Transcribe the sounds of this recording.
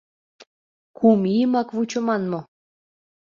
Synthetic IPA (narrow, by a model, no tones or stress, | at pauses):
kʰumijəmɑkvut͡ɕŏmɑnmo